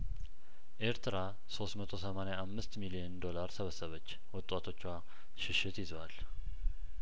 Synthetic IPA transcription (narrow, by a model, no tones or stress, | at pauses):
ʔe̞ɾt̪ʰɨɾa | so̞st̪mət̪ʰo̞səmanjaʔamːɨst̪milijɛnd̪o̞laɾsəβəsːəβət͡ʃː | wɔt̪ʼwat̪ʰo̞t͡ʃːwa | ʃɪʃɪt̪jɪzal